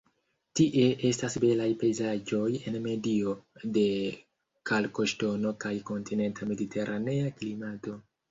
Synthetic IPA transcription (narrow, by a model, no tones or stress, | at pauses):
tiʔe̞ʔe̞stasbe̞lajpe̞jzad͡ʒo̞je̞nme̞dio̞de̞ | kalko̞ʃto̞no̞kajko̞ntʰine̞ntame̞ditʰe̞ɾʔane̞aklimato̞